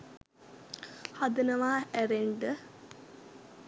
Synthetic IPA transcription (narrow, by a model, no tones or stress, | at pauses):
had̪ənəʋaːæɾeɳɖə